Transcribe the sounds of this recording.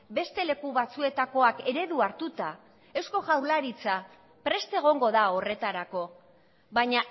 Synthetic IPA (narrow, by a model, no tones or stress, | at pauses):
be̞st̪e̞le̞kuβat͡sue̞t̪ako̞ake̞ɾe̞ðuaɾt̪ut̪a | e̞wsko̞ʝawɾlaɾit͡sa | pɾe̞st̪e̞ɣ̞o̞ŋɡo̞ðao̞re̞t̪aɾako̞ | βaɲa